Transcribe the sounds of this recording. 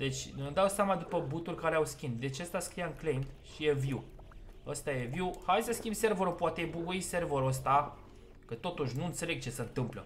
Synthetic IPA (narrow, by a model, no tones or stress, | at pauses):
d̪e̞t͡ʃʲnud̪awsʲamad̪upəbut̪ulʲkaɾeawskʲind̪d̪e̞t͡ʃeəst̪askɾijaɨnklejmʃijeviw | əst̪aje̞viwhajsəskʲimbse̞rvəɾupoat̪eebukuise̞rvəɾəs̬t̪a | kət̪o̞t̪uʃʲnuɨnt̪se̞le̞ɡ̚t͡ʃe̞sənt̪ɨmplə̰